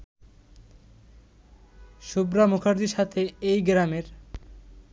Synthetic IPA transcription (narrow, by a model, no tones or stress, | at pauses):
ʃubɾamukʰaɾd̪iʃat̪ʰeejɡɾameɾ